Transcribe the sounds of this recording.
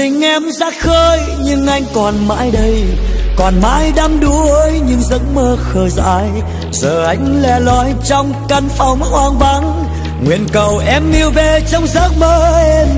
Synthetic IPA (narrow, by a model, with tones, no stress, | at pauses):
t̪ï˧˩ŋ̟ʔɛ˧mzaː˦˥t̚xəː˧j | ɲɨ˧ŋʔa˧jŋ̟kɔ˨˩nma̰ː˧˥jɗə˧jkɔ˨˩nma̰ː˧˥jɗa˧mɗu˧˦əəː˧˦jɲɨ˧ŋzə̰˧˥nməː˧xəː˧˩za̰ː˧˥j | zəː˨˩ʔa˧˦jŋ̟lɛ˧˩lɔ˧˦jt͡ɕɔ˧wŋ͡mkə˧nfa˨˧˩wm˧ʔwaː˧ŋva˧˦n | ŋwḭ˧˨ənkə˨˩wʔɛ˧mŋi˧əwve˨˩t͡ɕɔ˧wŋ͡mzəː˦˥t̚məː˧e˧n